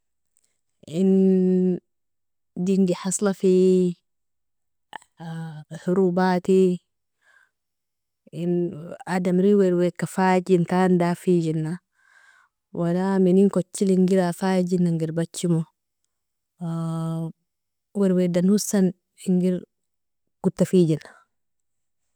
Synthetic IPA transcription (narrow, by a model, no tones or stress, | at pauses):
in | diŋɡiħɑsˤlafi | huɾubat̪i | inadamɾiweɾwekafaːd͡ʒintandafid͡ʒinːa | wʔalaminiŋkot͡ʃːiliŋɡiɾafad͡ʒinːaŋɡiɾbat͡ʃːimo | weɾwedanhusːan | iŋɡiɾ | ɡ̥ut̪ːafiːd͡ʒina